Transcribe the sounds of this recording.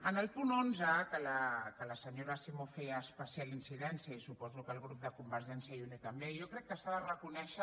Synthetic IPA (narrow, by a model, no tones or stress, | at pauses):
ənəlˠpunonzəkələkələsəɲoɾəsimofeəːspəsialinsiðɛnsiəisupɔzukəːlˠɣɾup̚d̪əkumbəɾʒɛnsiəɛunikəmbeijokɾɛkːəsaðərəkunɛʃə